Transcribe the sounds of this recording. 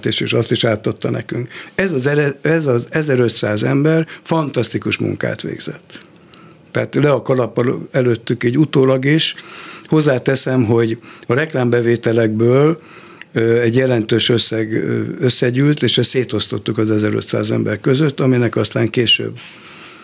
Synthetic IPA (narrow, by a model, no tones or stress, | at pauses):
t̪eːʃḛːʃɒst̪iʃaːt̪ːɒt̪ːɒnɛ̰kyŋkɛzɒzɛɛzɒzɛzɛɾøt̪saːzɛmbɛrfɒnt̪ɒst̪ikuʃmṵŋka̰ːt̪ʋḛːɡz̥ɛ̰t̪ː | ɛat̪lɛɒkɒlɒpːɒlɛløt̪ːykiːɟut̪oːlɒɡiʃho̞zːaːt̪ɛsɛmɦo̞ɟɒɾɛklaːmbɛveːt̪ɛlɛɡbøːl | ɛɟjɛlɛnt̪øːʃøsːɛɡøsːɛɟyːlt̪eːʃɛsseːt̪o̞st̪o̞t̪ːukɒzɛzɛɾø̰t̪sa̰ːzɛ̰mbɛrkø̞zøt̪ːɒminɛkɒst̪aːŋkeːʃø̰bː